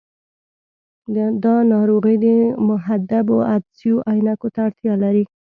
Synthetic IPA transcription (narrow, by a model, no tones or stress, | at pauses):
d̪ɑnɑɾoɣid̪əmʊɦad̪aboad̪sijoʔajnakot̪aːɽt̪jɑlaɾi